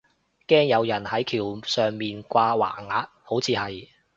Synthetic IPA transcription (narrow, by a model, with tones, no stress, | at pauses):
kɛː˥ŋjɐ˨˧wjɐ˨˩nhɐ˨˥jkʰiː˨˩wsœː˨˩ŋmiː˨nkʷaː˧wa̰ː˨˩ŋaː˨˥t̚ho˨˥wt͡sʰiː˨˧hɐ˨j